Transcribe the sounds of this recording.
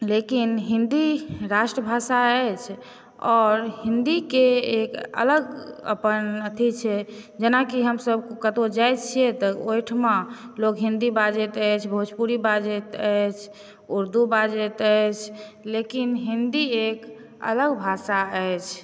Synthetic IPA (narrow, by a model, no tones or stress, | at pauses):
lekinɦind̪iɾaʃʈɾəbʱasaəjt͡ʃʰ | ɔːɾɦind̪ikeekə̰ləɡə̰pənət̪ʰit͡ʃʰɛd͡ʒenakiɦəmsəbkət̪od͡ʒajt͡ʃʰijet̪əojʈʰmãlokɦĩnd̪ibad͡ʒet̪əjt͡ʃʰbʱut͡ʃpuɾibad͡ʒet̪əjt͡ʃʰ | uɾd̪ubad͡ʒet̪əjt͡ʃʰlekinɦind̪iek | ə̰ləɡbʱasaəjt͡ʃʰ